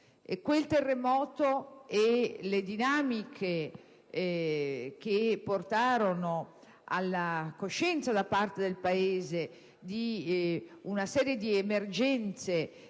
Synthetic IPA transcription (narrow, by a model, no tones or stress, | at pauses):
ḛkwelt̪erːemɔːt̪oɛled̪inamikʰe | k̟epːort̪aːɾono | a̰lːakoʃɛnt̪sad̪apart̪ed̪elpaeːze | d̪i | unasɛːɾjed̪iemerd͡ʒɛnt̪se